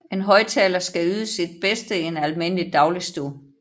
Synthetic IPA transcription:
e̝nɦɒ̽ɪt͡sʰɛːlɐsɡ̥æyːðˠəsid̥̚b̥esd̥əienælme̝n̰əlid̥ɑ̈ʊlisd̥u

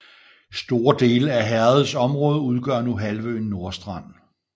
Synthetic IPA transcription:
sd̥o̝ːɐd̥e̝ːləæɦæɐð̩ˠsɒ̽mʁɔ̽ːð̞ˠəuð̞ˠɡ̥ɶ̰ɐ̰nuɦælʋøːnːo̝ɐsd̥ʁɑ̈n̰

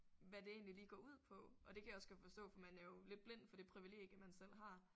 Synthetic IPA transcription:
ʋæd̥e̝e̝̰ːnliliːɡ̥ɒuð̞̰ˠpʰɒ̽ɒ̽d̥e̝kʰæjɒ̽skʰæfɒ̽sd̥ɔ̰̽ːfɒmænæɐjo̝le̝d̥̚b̥le̝n̰d̥fɒ̽d̥e̝pʰʁiʋile̝̰ːɡ̥jəmænsel̰ɦɑ̈

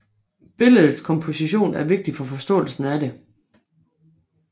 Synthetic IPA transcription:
b̥e̝ləð̩ˠskʰɒ̽mpʰo̝siɕo̝̰ːnæɐʋe̝ɡ̥̚d̥ifɒ̽fɒ̽sd̥ɔ̰̽ːl̩sn̩æde̝

